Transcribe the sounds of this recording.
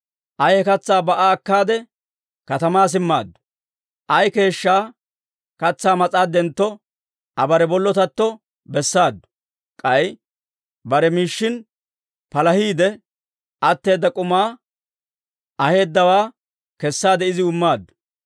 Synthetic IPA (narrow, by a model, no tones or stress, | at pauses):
ʔɐjhɛkɐt͡sːaːbɐʔaːɐkːaːd̪ɛ | kɐt̪ɐmaːs̬ɪmːa̰ːd̪ːʊ̥ | ʔɐjke̞ːʃːaː | kɐt͡sːaːmɐt͡sʼaːd̪ɛnt̪ːɔ | ʔɐbɐɾɛbɔlːɔt̪ɐt̪ːɔ | bɛsːaːd̪ːʊ̥ | kʼɐj | bɐɾɛmiːʃːɪn | pɐlɐhiːd̪ɛ | ʔɐt̪ːe̞ːd̪ːɐkʼʊmaː | ʔɐhe̞ːd̪ːɐwaː | kɛsːaːd̪ɛɪzɪʊmːaːd̪ːʊ̥